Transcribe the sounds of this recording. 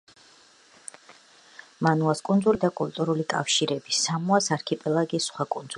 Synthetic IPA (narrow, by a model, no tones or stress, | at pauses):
manuaskʼund̪zulid̪akʼult̪ʼuɾulikʼa̰fʃiɾɛbisamuasaɾkʰipʼɛlˠaɡisχwakʼund̪zu